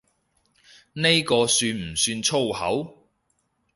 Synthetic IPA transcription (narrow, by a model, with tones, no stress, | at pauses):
ne˥jkɔː˧syː˧nm̩˨˩syː˧nt͡sʰo˥˧whɐ̰˨˥w